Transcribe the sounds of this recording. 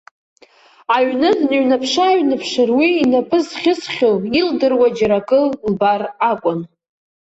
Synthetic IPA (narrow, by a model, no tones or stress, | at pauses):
aɥnɨdnɥnapʰʂaɥnɨpʰʂɨrwiːnapʰʼɨzχʲɪsχʲolildɨrwad͡ʒaɾakʼɨlbarakʷʼʊn